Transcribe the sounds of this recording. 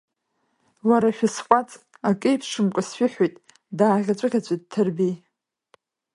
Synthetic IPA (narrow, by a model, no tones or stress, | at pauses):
waɾaʃʷᶣʊsqʷʼat͡sʼ | akʼejpʰʂɨmkʷʼasʃʷɪħʷᶣejtʼ | daːʁʲat͡ʃʷʼɨʁʲat͡ɕʷʰʼit̚tʰɨrbij